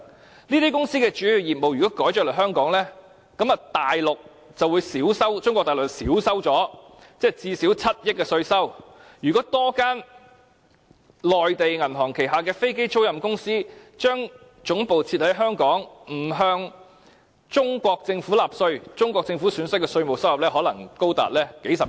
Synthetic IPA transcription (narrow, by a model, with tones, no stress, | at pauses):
niː˥t̪iː˥kʊ˥ŋsiː˥kɛː˧t͡ʃyː˨˥jy˨jiː˨˩p̚mo˨wjy˨kɔ˨˦˥kɔː˨˥jt͡ʃœː˨klɔ˨˩ɦœː˥ŋkɔː˨˥ŋlɛː˥ | kɐ˨˥mɐ˨t̪aː˨jlʊ˨k̚ | t͡sɐ˨wuː˨˧jsiː˨˥wsɐ˥wt͡ʃʊ˥ŋkɔː˧kt̪aː˨˩lʊ˨ksiː˨˥wsɐ˥wt͡sɔː˨˥t͡sɛː˥˩t͡siː˧siː˨˥wt͡sʰɐ˥t̚jɪ˥k̚kːɛː˧sɵ˧ɥsɐ˥wjyː˨˩kɔː˨˥t̪ɔː˥kaː˥n | lɔː˨jt̪e˨jŋɐ˨˩nɦɔː˨˩ŋkʰe˨˩jɦaː˨˩k̬ɛː˧fe˥jk̬e˥jt͡so˥wjɐ˨mkʊ˥ŋsiː˥t͡ʃœː˥ŋ | t͡ʃʊ˨˥ŋpo˨wt͡sʰiː˧t̚hɐ˨˥jɦœː˥ŋkɔː˨˥ŋm̩˨˩ɦœː˧ŋ | t͡ʃʊ˥ŋkʷɔː˧k̚t͡sɪ˧ŋfu˨˥laː˨p̚sɵ˧ɥt͡sʊ˥ŋkʷɔ˧k̚t͡sɪ˧ŋfuː˨˥syː˨˥nsɐ˥kːɛ˧sɵ˧ɥmo˨˩wsɐ˥whɐ˨p̚lɛː˥ɦɔː˨˥lɐ˨˩ŋko˥wt̪a̰ː˨t̚lɛː˥ke˨˥jsɐ˨p